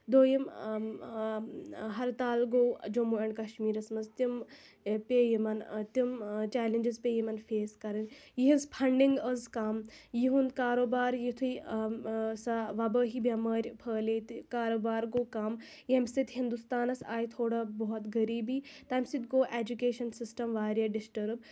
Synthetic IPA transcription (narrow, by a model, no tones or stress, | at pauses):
d̪oːjim | ɦɐɾt̪aːlɡoːwd͡ʒomuːɐɳɖkɐʃmiːɾɐsmɐnzt̪im | peːjimɐnt̪imt͡ʃɛːlend͡ʒizpeːjimɐnfeːskɐɾɐnjiɦinspʰɐɳɖiŋɡəzkaːmjiɦund̪kaːɾoːbaːɾjit̪ʰui | saʋɐbəːɦibɐmɐːɾʲpʰəːlet̪kaːɾoːbaːɾɡoːkaːm | jɐmsit̪ʲɦind̪ust̪aːnɐsaːjt̪ʰoːɽabɔɦɔt̪ɡɐɾiːbiːt̪aːmsit̪ɡoːʔeːd͡ʒukeːʃɐnsɪsʈɐmʋaːɾʲjaɖɪsʈɐɾb̚